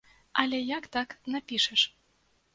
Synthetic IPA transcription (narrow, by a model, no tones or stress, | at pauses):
alʲɛjakt̪ɑknapʲiʃɛʃ